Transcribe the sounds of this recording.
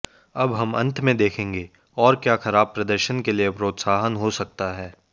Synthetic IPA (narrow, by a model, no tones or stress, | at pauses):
ɐbɦɐmɐ̰̃nt̪ʰmẽd̪eːkʰẽːŋɡeː | ɔːɾkjaːxɐɾaːb̚pɾɐd̪əɾʃənkeliepɾoːt̪saːɦənɦosɐk̚t̪aɦɛː